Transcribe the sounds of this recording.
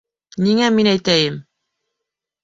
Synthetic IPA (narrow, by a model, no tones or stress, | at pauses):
niŋæminæjt̪æjɘm